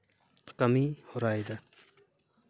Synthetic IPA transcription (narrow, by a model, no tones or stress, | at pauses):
kamihɔɾajd̪a